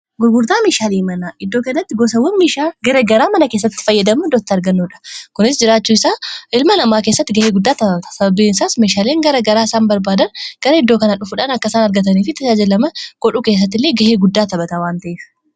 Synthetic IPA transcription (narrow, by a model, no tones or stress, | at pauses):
ɡʊɡʊɾt̪aːmeːʃaːleːmɐnaːʔɪd̪ːoːkɐnːɐt̪ːɪɡɔsɐwɐnmeːʃaːɡɐɾɐɡɐɾaːmɐnɐke̞ːsːɐt̪ːɪ̥fɐjːɐd̪ɐmud̪ɔt̪ːɐɾɡɐnːuːᶑɐ̥kʊnɪs̬d͡ʒɪɾaːt͡ʃːuːɪsaːʔɪlmɐnɐmaːk̬eːsːɐt̪ːɪɡɐheːɡʊd̪ːaːt̪ɐbɐt̪ɐ̥sɐbɐbiːɪnsaːsmeːʃaːle̞ːŋɡɐɾɐɡɐɾaːɪsaːnbɐɾbaːd̪ɐnɡ̥ɐɾɐɪd̪ːoːkɐnɐᶑʊfʊᶑaːnɐkːɐsaːnɐɾɡɐt̪̬ɐniːfɪt̪ɐd͡ʒaːd͡ʒɐlɐmɐɡ̥ɔᶑuːke̞ːs̬ːɐt̪ːɪlːeːɡɐheːɡʊd̪ːaːt̪ɐbɐt̪awaːnt̪ɐʔeːf